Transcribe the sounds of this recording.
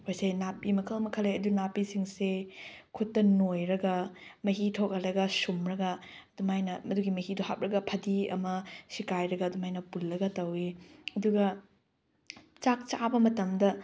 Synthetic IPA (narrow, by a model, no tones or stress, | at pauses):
hojsɐjnapimɐkʰɐlmɐkʰɐleɐdunapisiŋsekʰutːɐnojɾɐɡɐmɐɦitʰok̚ɐlɐɡɐsumɾɐɡɐːdumajnɐmɐduɡimɐhiduhap̚ɾɐɡɐpʰɐdiɐ̰mɐsikajɾɐɡɐːdumajnɐpulːɐɡɐtɐwiɐduɡɐ | t͡ʃak̚t͡ʃabɐmɐtɐmdɐ